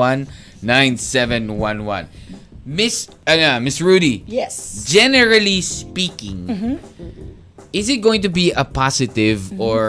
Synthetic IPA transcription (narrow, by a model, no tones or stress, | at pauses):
ʌ̃nː | ãɪ̃nsɛvɛ̃nwʌ̃nwʌ̰̃nmɪs | jamɪsɹudijɛsd͡ʒɛnɛɹalispikɪ̃ŋ | ɪzɨt̪̚ɡ̥oɪ̃ŋt̪ʊbiəpɑsɨt̪ɪvɔɹ